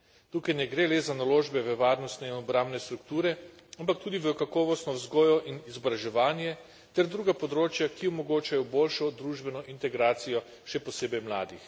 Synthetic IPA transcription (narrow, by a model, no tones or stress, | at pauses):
t̪uːkajnɛɡɾelɛzanaloːʒbɛʋəʋaːɾnɔst̪nɛinɔbɾambnɛst̪ɾukt̪uːɾɛampakt̪uːd̪iʋəkakɔːʋɔst̪nɔwzɡɔːjɔʔinizɔbɾaʒɛʋaːnjɛ | t̪ɛɾd̪ɾuːɡapɔd̪ɾoːt͡ʃjakiɔmɔɡoːt͡ʃajɔboːlʃɔd̪ɾuʒbɛnɔʔint̪ɛɡɾaːt̪sijɔ | ʃɛpɔseːbɛjmlaːd̪ix